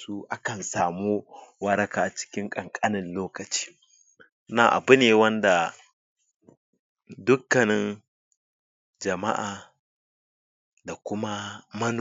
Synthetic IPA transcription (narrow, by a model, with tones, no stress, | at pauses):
su˦ʔa˦kɐ˨nsaː˨mu˦wɐ˦ɾɐ˦kaː˨ʔa˨t͡ʃɪ̥˦kʲɪ˦ŋkʼɐ˨ŋkʼa˦nɪ˨nloː˦kɐ˨t͡ʃi̥ː˦ | naː˨ʔa̰˨bʊ˦neː˨wɐ˦nda˨ | dʊ˦kːɐ˨nɪ˦n | d͡ʒɐ˨ma̰˦ʔaː˨ | da˨kʷʊ˦ma˦mɐ˦n˨